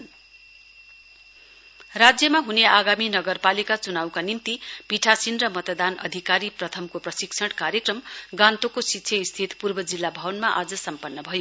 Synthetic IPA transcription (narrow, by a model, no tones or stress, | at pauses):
rad͡zjʌmaɦuneʔaɡaminʌɡʌrpalikat͡sunawkanimt̪ipiʈʰasinrʌmʌt̪ʌd̪anʌ̰d̪ʱikaɾiprʌt̪ʰʌmkoprʌsiksʰʌɽkaɾjekrʌmɡãnt̪okositːsʰjʌist̪ʰit̪purbʌd͡zilːabʱʌbʌnmaʔad͡zʌsʌmpʌnːʌbʱʌjo